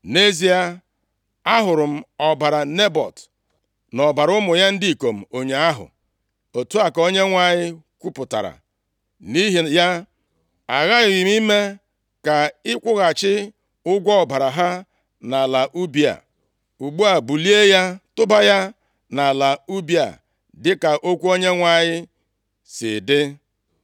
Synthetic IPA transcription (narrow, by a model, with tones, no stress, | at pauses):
ne˦zi˨a˦ | a˦ɦʊ˨ɾʊ˨m̩˦ɔ˨ba˨ɾa˨ne˦bɔ̰˨t | nɔ˨ba˨ɾʊ˦mʊ˨ja˦n̩˦dɪ˦i˨ko˨m̩˨o˨ɲe˨a˦ɦʊ̰˨ | o˨tu˦a˨ko˦ɲe˦ŋʷa˦˨ɲɪ˦kʷu˦pʊ˨ta̰˨ɾa̰˨ | ni˦ɦi˨ja˦ | a˨ɣa˦ɣɪ˨ɣɪ˨m˦i˦me˦ | ka˨ɪ˦kʷʊ˦ɣa˨t͡ʃɪ˦ | ʊ˦ɡʷɔ˦˨ba˨ɾa˨ɦa˦ | na˨la˨ʔu˦bi˦˨a̰˨ | u˨ɡ͡bu˦a˨bu˨li˦e˦ja˦tʊ˦ba˦ja˦ | na˨la˨u˦bi˦a̰˨ | dɪ˦ka˨ʔo˦kʷu˦o˦ɲe˦ŋʷa˦ɲɪ˦ | sɪ̰˨dɪ˦